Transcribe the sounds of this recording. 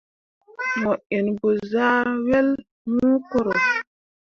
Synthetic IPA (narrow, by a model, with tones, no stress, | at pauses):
mo˨ʔe˨nbo˨zaː˦wɛ˦l | mũː˦ko˦ɾo˨